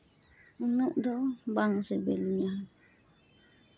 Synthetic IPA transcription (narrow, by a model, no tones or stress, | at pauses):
nəʔdɔbaŋsəbelna